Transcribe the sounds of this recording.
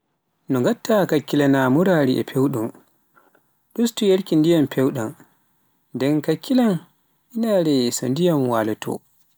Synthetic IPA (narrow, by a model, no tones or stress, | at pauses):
nɔŋɡatːakakːilanamuɾaɾiʔɛ̰pʰewɗum | ɗustujeɾkindijampʰewɗan | ndɛnkakʰːilan | ʔinaɾɛsɔndijamwaːlɔtʰɔ̰